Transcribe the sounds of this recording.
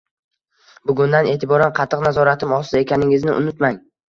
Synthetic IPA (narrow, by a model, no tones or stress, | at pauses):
bʊɡʲʊnd̪ane̞ːt̪ʰɪbɒɾanqʰɑt̪ʰːɨqnazɒɾat̪ʰɪmɒsɪe̞kʲʰanɪŋʲɪznɪʔʊ̰nʊt̪maŋ